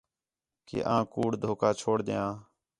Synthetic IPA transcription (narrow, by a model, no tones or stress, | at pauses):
kḛːʔãːkuːɽd̪ʱoːkaːt͡ʃʰoːɽd̪ɪjãː